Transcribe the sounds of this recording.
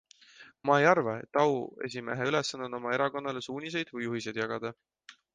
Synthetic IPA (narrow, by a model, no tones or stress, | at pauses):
mɑejɑrvɑe̞̰t̪ːˑɑue̞̰s̬ʲime̞ɦeyle̞sːɑnːono̞mɑe̞ɾɑko̞nːɑle̞suːnʲis̬e̞jd̪̥vɯjːuɦis̬e̞jd̪̥jɑɡ̥ɑd̪̥ɑ